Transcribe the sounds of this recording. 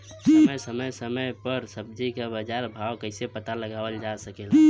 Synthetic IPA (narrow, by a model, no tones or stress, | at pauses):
səməjsəməjsəməjpəɾsəbd͡ʒikebəd͡ʒaɾbʱawkəɪsepət̪aləɡabəld͡ʒasəkel